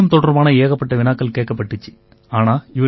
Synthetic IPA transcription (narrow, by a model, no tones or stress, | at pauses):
ɐmt̪oɽɐrmaːɳɨeːɣɐpːeʈːɐʋinaːkːɐlkeːkːɐpːeʈːit͡ɕːɨ̥ | aːɳaːiʋɐ